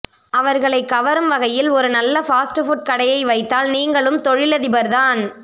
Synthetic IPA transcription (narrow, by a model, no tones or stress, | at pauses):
ɐʋɐɾɣɐɭɐɪkːɐʋɐɾɯmʋɐɣɐjɪlɔɾɯnɐlːɐfaːsʈɯfʊʈ̚kɐɽɐjɐɪʋɐɪt̪ːaːlniːŋɡɐɭɯmt̪ɔɻɪlɐðɪbɐɾðaːn